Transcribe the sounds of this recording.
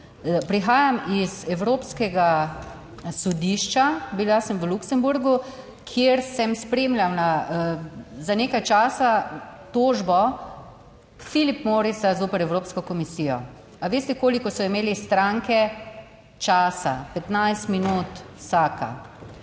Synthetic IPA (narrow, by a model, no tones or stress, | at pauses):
pɾixaːjamizɛwɾoːpskɛɡa | sɔd̪iʃt͡ʃabilasəmʋəluksɛmbuɾɡu | kʰjeːɾsɛmspɾeːmlʲjawna | zaneːkajt͡ʃaːsat̪oːʒbɔ | filipmoːɾisazoːpɛɾɛwɾoːpskɔkɔmisiːjɔ | aʋeːst̪ɛkoːlikɔsɔimeːlist̪ɾaŋkɛ | t͡ʃaːsa̰pɛt̪najst̪minuːt̪saːka̰